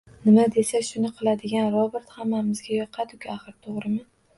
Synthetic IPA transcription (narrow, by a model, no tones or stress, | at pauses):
nɪmad̪e̞saʃʊnɪqʰɨlˠad̪ɪɡʲanɾɒbeɾt̪hamːamɪzɡʲajɒqʰɑd̪ʊkʲaχɨɾt̪ʰoʁɾɪmɪ